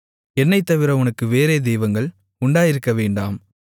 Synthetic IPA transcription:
ɛnːɐɪt̪ːɐʋɪɾɐʊnɐkːɯʋeːɾeːd̪ɛjʋɐŋɡɐɭ | ʊɳɖaːjɪɾɯkːɐʋeːɳɖa̰ːm

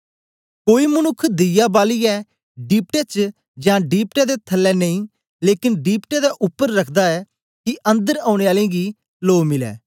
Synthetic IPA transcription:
koːiːmənʊkʰd̪ɪjaːbaːliːɛː | ɖiːp̚ʈeːt͡ʃ | d͡ʒãːɖiːp̚ʈeːd̪eːt̪ʰəlːɛːnəĩː | leːkɪnɖiːpʈeːd̪aːʔʊpːəɾːəkʰd̪aːɛː | kɪʔə̃nd̪əɾãːʊɽ̃eːaːlẽːɡiː | loːmɪlɛ̰ː

